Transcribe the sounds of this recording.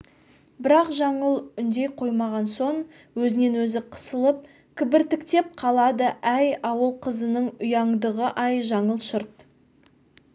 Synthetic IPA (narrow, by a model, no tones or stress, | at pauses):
bɪɾɑqʒɑɴəlˠʏnd̪ejqʰo̞jmɑʁɑnso̞ɴ | wɵzɪne̞nwɵzɪqʰə̥səlˠəp̚ | kʲʰɪbɪɾt̪ɪkt̪e̞p̚qʰɑlˠɑd̪əʔæjɑwəlˠqʰəzənəɴʊjɑɴd̪əʁəʔɑjʒɑɴəlˠʃəɾt̪